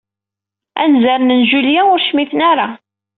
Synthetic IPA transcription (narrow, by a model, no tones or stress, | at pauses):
æ̰nzaɾnənʒuljæʊɾʃmiθnaɾˤa